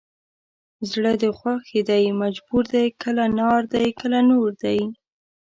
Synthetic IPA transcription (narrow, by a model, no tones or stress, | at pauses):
zɽəd̪əxwaxed̪ajmad͡ʒbuɾd̪ajkəlanɑɾd̪ajkəlanoɾd̪aj